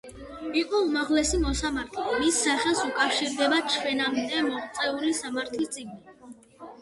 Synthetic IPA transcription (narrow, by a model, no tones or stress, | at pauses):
iqʼɔumaʁlɛsimɔsamaɾt̪ʰlimisːaχɛlˠsukʼafʃiɾd̪ɛbat͡ʃʰwɛnamd̪ɛmɔχt̪sʼɛulisamaɾt̪ʰlist̪sʼiɡni